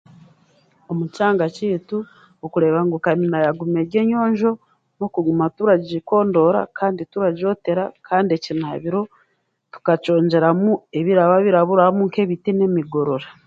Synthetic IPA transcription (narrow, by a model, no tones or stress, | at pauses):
omucaːŋɡaciːtu | okuɾe̞βaŋɡukaminajaɡume̞ːɾɟe̞ːɲo̞ːɲʒo̞ | no̞kuɡumatuɾaɟiko̞ːndo̞ɾa̰kʰaːndituɾaɟo̞te̞ɾakʰaːndie̞cina̰βiɾo̞ | tu̥kaco̞ːɲɟe̞ɾamue̞βiɾaβaβiɾaβuɾahamuŋke̞βitinemiɡo̞ɾo̞ɾa